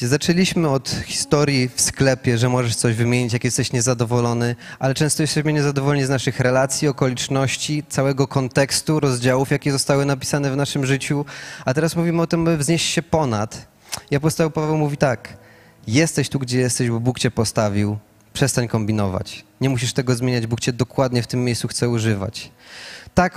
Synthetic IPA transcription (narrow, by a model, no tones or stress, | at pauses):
zat͡ʂɛlʲiɕmɘɔt̪xʲi̥st̪ɔɾʲjifsklɛpʲjɛʐɛmɔʐɛʂt̪sɔʑvɘmʲjeɲit͡ɕjakjɛst̪ɛɕɲɛzad̪ɔvɔlɔnɘʔalɛt͡ʂɛ̃w̃st̪ɔjɛst̪ɛɕmɘɲɛzad̪ɔvɔlɔɲiznaʂɘxɾɛlat̪sʲjiɔkɔlʲit͡ʂnɔɕt͡ɕit̪sawɛɡɔkɔnt̪ɛkst̪uɾɔzd͡ʑawufjakʲɛzɔst̪awɘnapʲi̥sanɛvnaʂɘmʐɘt͡ɕuat̪ɛɾasmuvʲimɘɔt̪ɘmabɘvzɲeɕt͡ɕɕɛpɔnat̪ | iapɔst̪aɛwpavɛwmuvʲit̪ak | jɛst̪ɛɕt̪uɡd͡ʑɛjɛst̪ɛʑbɔbukt͡ɕɛpɔst̪avʲiw | pʂɛst̪aɲkɔmbʲinɔva̰t͡ɕɲɛmuɕ̬iʂt̪ɛɡɔzmʲeɲad͡ʑbukt͡ɕɛd̪ɔkwad̪ɲɛft̪ɘmːjejssuxt̪sɛuʐɘva̰t͡ɕ | t̪ak